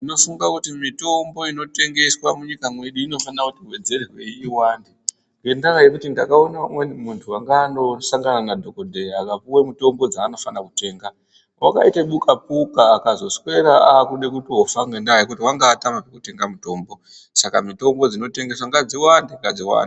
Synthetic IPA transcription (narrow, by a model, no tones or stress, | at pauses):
ino̞fuŋɡakutimito̞mbo̞ino̞te̞ŋɡe̞swamuɲikamwe̞ɗuino̞fanakutiwe̞d͡ze̞rirwe̞iwaːndi | ɡendakajekutindakaonamwemuntʰuaŋɡaːndo̞saŋɡananadʱo̞kodʱeakapuwemuto̞mbo̞d͡zaːno̞fanakute̞ːŋɡa | wʔa̰ka̰iteɓukapukaːkazo̞swe̞ɾaaːkuɗekutiofaŋɡendajikutiwaŋɡaːtamapekute̞ŋɡamuto̞ːmbo̞ | sakamito̞mbo̞d͡zino̞te̞ŋɡe̞swaŋɡad͡ziwandiŋɡad͡ziwa̰ndi